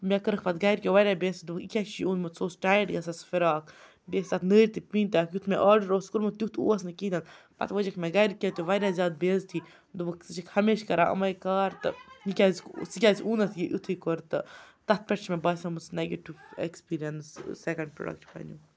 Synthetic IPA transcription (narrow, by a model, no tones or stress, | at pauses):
mʲɛkəɾəkʰpɐt̪ɡaːjɾʲkʲeʋaːɾʲaːbʲeːst̪d̪ubəkikʲakt͡ʃʰiuːnmɐt̪soːsʈaːjʈɡɐsɐsfiɾaːkʰ | beːst̪ɐt̪nəːɾʲt̪ipiːnt̪aːkjut̪ʰmeʔaːɾɖəɾoːskuɾmɐt̪jʲut̪ʰṵːɐsnɐkid̪ɐn | pɐ̰t̪ʋəd͡ʒɐkʰmʲɛ̃ɡaːjɾkʲet̪uʋaːɾʲaːzʲjaːd̪̚beːzt̪ʰi | d̪ubɐksɨt͡ʃʰikʰhɐmeːʃkɐɾaːʔɐ̰mɐjkaːɾt̪ɨikʲaːzsikʲaːziuːnɐt̪ʰjiʔut̪ʰikoɾt̪ɨt̪ɐt̪̚ʰpʲɛʈt͡ʃʰmẽbaːsʲɐmut͡sneɡeʈiʋḛkspiːɾijɐnssekɐɳɖ̚pɾo̰ːɖɐ̰kʈpɐ̰nu